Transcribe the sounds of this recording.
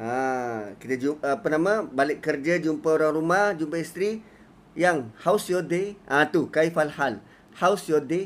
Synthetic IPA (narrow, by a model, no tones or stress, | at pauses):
ʔakit̪ad͡ʒupənamãbalɪʔkːərd͡ʒad͡ʒumpaoɾaŋrumahd͡ʒumpəist̪ɾi | jaŋhawsjodeʔãt̪ukaifalhal | hawsjode